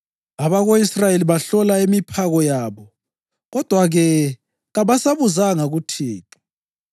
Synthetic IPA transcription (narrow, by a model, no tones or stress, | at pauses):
aβaɣoisrajeliβaɬɔlaimipʰaɣɔjaːβɔ | ɣɔd̥ʱwaɣɛ | ɣaβasaβuzaŋaɣutʰiːtu̥